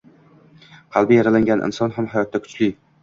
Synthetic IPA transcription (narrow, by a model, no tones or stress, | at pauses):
qʰɑlˠbɪjaɾalaŋɡʲanʔɪ̰nsɒnɦamɦajɒt̪ːakʰʊ̥t͡ʃlɪ